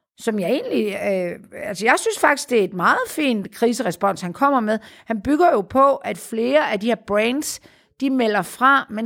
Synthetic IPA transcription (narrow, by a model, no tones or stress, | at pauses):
sɒ̽mjɑ̈ɪe̝̰ːnli | ælsəjɑ̈ɪsynsfɑ̈ɡ̥d̥isɡ̥d̥e̝æe̝d̥mɑ̈ːð̩ˠfḭːnd̥kʰʁiːsəʁɛsb̥ɒ̽n̰shænkʰɒ̽m̰ɐmeðˠhænb̥yɡ̥ɐjo̝pʰɒ̽ʔæd̥fle̝ːɐʔædiheɐb̥ʁɛnd̥s | d̥imel̰ɐfʁɑ̈men